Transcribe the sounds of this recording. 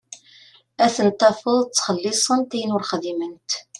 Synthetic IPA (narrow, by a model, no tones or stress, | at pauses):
æθənt̪ˤːɑfəðˤt͡sːχəlːisˤənt̪æjənʊɾχðimənt̪